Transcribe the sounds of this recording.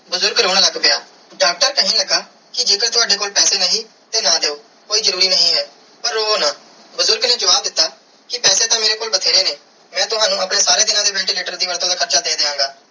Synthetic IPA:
bʊzʊɾɡɾoːɳləɡbejaː | ɖaːk̚ʈəɾkəɦĩːləɡaː | kɪd͡ʒeːkəɾt̪ʊaːɖeːkoːlpɛːseːnəɦĩː | t̪eːnaːd̪eːoː | koːiːzəɾuːɾiːnəɦĩːɦɛː | pəɾːoːoːnãː | bʊzʊɾɡneːd͡ʒəʋaːb̚d̪ɪt̪ːaː | kɪpɛːseːt̪ãːmeːɾeːkoːlbət̪ʰeːɾeːneː | mɛ̃ːt̪ʊɦaːnũːəpneːsaːɾeːd̪ɪnãːd̪eːʋɛːɳʈiːleːʈəɾd̪iːʋəɾt̪õːd̪aːkʰəɾt͡ʃaːd̪eːd̪eːãːɡaː

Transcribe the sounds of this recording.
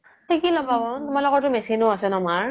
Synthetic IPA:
tʰikilɔbabɔtʊmalɔkɔɹtʊmesinʊasɛnɔmaɹ

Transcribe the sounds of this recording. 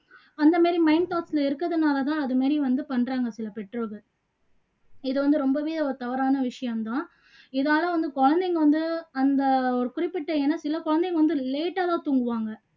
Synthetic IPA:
ɐnd̪ɐmaːɾimɐɪnt̪aːʈsɪlɐɪɾɯkːɐðɯnaːlɐt̪ãːɐðɯmaːɾiʋɐnd̪ɯpɐɳɾaːŋɡɐsɪlɐpɛʈroːkɐ | ɪðɯʋɐnd̪ɯɾɔmbɐʋiːðɐɔɾɯt̪ɐʋɐɾaːnɐʋɪʂɐjɐmt̪ãː | ɪðaːlɐʋɐnd̪ɯkɔɻɐnd̪ɛŋɡɐʋɐnd̪ɯɐnd̪ɐɔɾɯkʊɾɪpːɪʈːɐɛːnːɐsɪlɐkɔɻɐnd̪ɛŋɡɐʋɐnd̪ɯleːʈːaːt̪ãːt̪uŋɡɯʋaːŋɡɐ

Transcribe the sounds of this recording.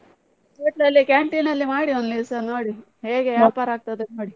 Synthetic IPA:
seːʈnɐlːikaːɳʈinɐlːimaːɽiond̪lisɐnoːɽi | he̞ːɡe̞ɐɭpaːɾaːɡ̚t̪ɐd̪enoːɽi

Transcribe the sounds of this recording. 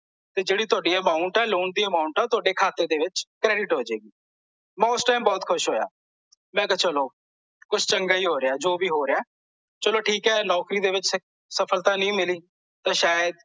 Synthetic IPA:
t̪eːd͡ʒeːɽiːt̪ʊaːɖiːəmaːʊɳʈɛːloːnʈ̚d̪iːəmãːʊɳʈãt̪ʊaːɖeːkʰaːt̪eːd̪eːʋɪt͡ʃkɾɛːɖɪʈɦoːd͡ʒeːɡiː | mɛ̃ːʊsʈaːimbɔːt̪kʰʊʃɦoːja̰ː | mɛ̃ːkət͡ʃəloː | kʊt͡ʃʰt͡ʃəŋɡaːiːɦoːɾɪaːd͡ʒoːbiːɦoːɾɪaː | t͡ʃəloːʈʰiːkɛːlɔːkɾiːd̪eːʋɪt͡ʃs | səpʰəlt̪ãːnĩːmɪliː | t̪ãːʃaːjəd̪̚

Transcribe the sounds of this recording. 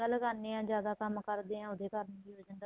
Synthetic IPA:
əlkənẽːãːd͡ʒjaːd̪aːkəmkəɾd̪eːãːʊd̪eːkəɾəniːɦoːd͡ʒənd̪a

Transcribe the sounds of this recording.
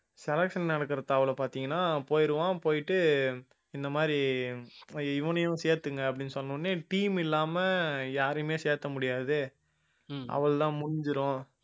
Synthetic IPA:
sɛlɐkʂɐnnɐɽɐkːɯɾɐt̪aːʋɐɭɐpaːɾt̪iːŋɡɐnːaːpoːjɪɾɯʋãːpoːjɪʈːɯ | ɪnd̪ɐmaːdɾi | ɪʋɐnɐjʊ̃seːɾt̪ːɯŋɡɐːpːɐɽɪnːɯsɔnːɯnːɯʈiːmɪlːaːmɐjaːɾɯmeːseːɾt̪ːɐmʊɽɪjaːðɯ | ʔɐ̰ʋɐɭt̪ãːmʊnɪɲd͡ʒɪɾʊ̃

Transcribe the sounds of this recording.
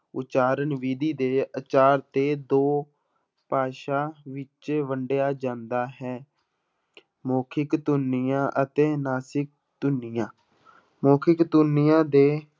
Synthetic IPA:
ʊ̰t͡ʃaːɾənʋiːd̪iːd̪eːət͡ʃaːɾt̪eːd̪oː | paːʃaːʋɪt͡ʃʋəɳɖejaːd͡ʒãːnd̪aːɦɛː | moːkʰɪkt̪ʊnːɪjãːʔət̪eːnaːsɪk̚ | t̪ʊnːɪjãː | moːkʰɪkt̪ʊnɪjãːd̪eː

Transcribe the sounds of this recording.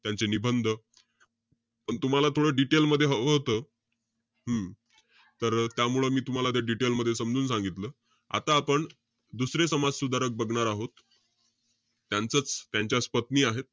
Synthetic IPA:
t̪jant͡senibʱənd̪ʱə | pəɳt̪um̤alat̪ʰoɽəɖiʈelməd̪ʱːjeɦəʋɦot̪ə | ɦəm | t̪əɾt̪jamuɭəmiːt̪um̤alat̪jaɖiʈelməd̪ʱːjesəmd͡zuːnsãŋɡit̪ləː | a̰t̪aːpəɳ | d̪usɾesəmad͡zsud̪ʱaɾək̚bəɡɳaɾaɦot̪ | jant͡sət͡st̪jaɲt͡ɕjaspət̪niːaɦet̪̚

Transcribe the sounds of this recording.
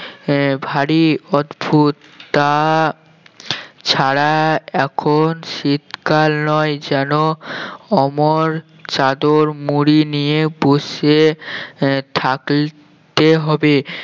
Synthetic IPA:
bʱaɽiɔd̪bʱut̪ːa | t͡ɕʰaɾaɛkʰonʃit̪kalnɔed͡ʑɛno | ɔmoɾ | t͡ɕad̪oɾmuɾinijeboʃe | t̪ʰak | t̪eɦɔbe

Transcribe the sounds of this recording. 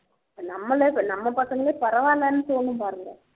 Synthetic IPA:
nɐmːɐlenɐmːɐpɐsɐŋɡɐleːpɐɾɐʋaːlaːnːɯt̪oːnːɯ̃mpaːɾɯŋɡɐ

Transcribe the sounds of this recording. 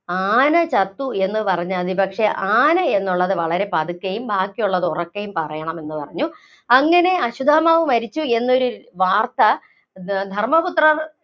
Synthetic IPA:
aːnɐt͡ɕɐt̪ːue̞nːɨpɐrɐɲːɐɐðipɐkʂe̞ʔaːnɐe̞nːuɭːɐðɨʋɐɭɐɾe̞pɐd̪ukːɐjumbaːkːijuɭːɐðɨurɐkːɐjumpɐrɐjɐɳɐme̞nːɨpɐ̰rɐɲːu | ɐŋːɐne̞ɐɕud̪ʱaːmaːʋumɐɾit͡ɕːue̞nːo̞ɾuʋaːrt̪ɐ | d̪ʱɐrmɐput̪rɐr

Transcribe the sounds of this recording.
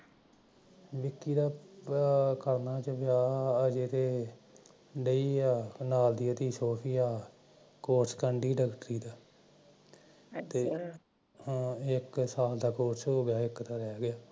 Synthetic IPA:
ʋɪkːiːd̪aː | kəɾnaːt͡ʃəʋɪjaːəd͡ʒeːt̪eː | ɖəiːaːnaːld̪iːət̪iːsoːpʰiːaː | koːɾskəɳɖiːɖəkʈɾiːd̪aː | t̪eː | ɦːɪksaːld̪aːkoːɾsɦoːɡɪjaːɪkt̪aːɾɛːɡɪjaː

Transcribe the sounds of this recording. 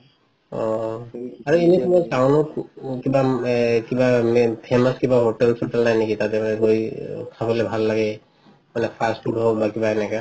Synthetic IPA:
ɔ̰̃ | aɹuenit̪umɔ̃kawnʊ̃kibakibampʰemaskibaɦoʈɛlpʰoʈɛlnajnekit̪at̪ɛmanɛlojkʰabɔlɛbʱalːaɡɛ | manɛpʰasʈuɖɦɔbakibaɦɛnaka

